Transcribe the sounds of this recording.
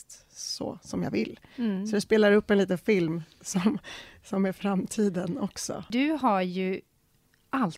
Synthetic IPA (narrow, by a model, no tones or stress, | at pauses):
t̪ | sɔ̰sɔmja̰vɪ̰lːsɔd̪ɛspeːlaɾɵpːɛnliːt̪ənfɪlmsɔmsɔmæɾfɾamːt̪ʰiːd̪ənɔksɔ̰d̪ɵɦaɾjɵ | ʔal